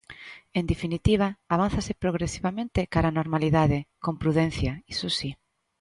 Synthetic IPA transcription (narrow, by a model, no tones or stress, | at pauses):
end̪efinit̪iβ̞aːβ̞anθasepɾoɣɾesiβamẽnt̪ɪkaɾanoɾmaliðaðekompɾuðɛ̃n̟θjaisosi